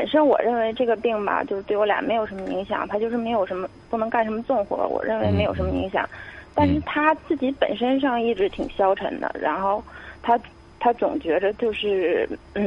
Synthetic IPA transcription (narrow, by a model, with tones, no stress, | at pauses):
pə˨˩nʂə˥nwɔ̰˨˩ɻə˥˩nwe˧˥ɪʈ͡ʂɤ˥˩ɡə˩pi˥˩ŋbɐ̰˩t͡ɕjʊʂ̩˥˧t̪we˥˩wlja̰˧˥me˧˥ɪjo˨˩ʊʂə˧˥mə˧i˧˥ŋɕjɑ̰˨˩ŋt̪ʰa˥t͡ɕjo˥˧ʊʂɻ̩˥˩me˧˥ɪjo˨˩ʊʂə˧˥nmə˧pu˥˩nɤ˧˥ŋka˥˩nʂə˧˥mə˧t͡sʊ˥˩ŋxwɔ̰˧˥wɔ̰˨˩ɻə˥˩nwɪme˧˥ɪjo˨˩ʊʂə˧˥mə˧ḭ˧˥ŋɕjɑ̰˨˩˦ŋt̪a˥˧nʂ̬ɻ̩˥˩t̪ʰa˥t͡sɹ̩˥˩t͡ɕi˧˥pə˨˩nʂə˥nʂ̬ɑ˥˧ŋi˥˩ʈ͡ʂɻ̩˧˥t̪ʰi˨˩ŋɕjɑ˥ʊʈ͡ʂʰə̰˧˥nd̪ə̰˧ɻa̰˧˥nxo˥˩ʊt̪ʰa˥ | t̪ʰa˥t͡sʊ˨˩ŋt͡ɕɥɛ˧˥d̪ə˧t͡ɕjo˥˧ʊʂɻ̩˥˩